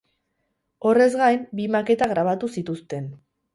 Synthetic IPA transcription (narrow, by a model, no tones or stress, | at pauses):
o̞re̞zɣajmbimake̞t̪aɣɾaβ̞at̪usit̪ust̪e̞n